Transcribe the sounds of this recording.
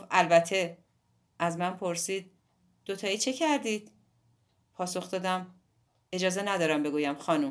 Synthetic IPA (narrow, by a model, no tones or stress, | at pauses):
ʔælbæt̪ʰːe̞ | ʔæzmænpʰo̞ɾsiːd̪̥̚ː | o̞t̪ʰɒːiːt͡ʃʰe̞cʰæɾd̪iːd̪̥̚ | pʰɒːso̞xd̪ɒːd̪æm | e̞d͡ʒɒːze̞næd̪ɒːɾæmbe̞ɡuːjæmxɒːnum